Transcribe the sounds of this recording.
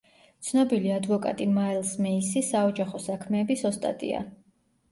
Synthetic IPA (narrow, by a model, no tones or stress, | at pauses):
t̪sʰnɔbiliad̪vɔkʼa̰t̪ʼimaɛlˠsmɛisisaɔd͡ʒaχɔsakʰmɛːbisɔst̪ʼa̰t̪ʼḭa̰